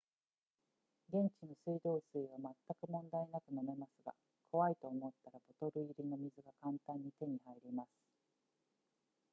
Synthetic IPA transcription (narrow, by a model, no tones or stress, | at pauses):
ɡẽ̞ɲ̟t͡ɕino̞sɨid̪o̞ːsɨiβamat̪ːakɯ̟mõ̞nd̪aenakɯ̟name̞masɨɡa̰ | kʰo̞βait̪o̞ːmo̞t̪ːaɾabo̞t̪o̞ɾɯ̟iɾʲino̞mʲizɨɡakãnt̪ãɲ̟ːit̪e̞ɲ̟ihaiɾʲimasɨ̥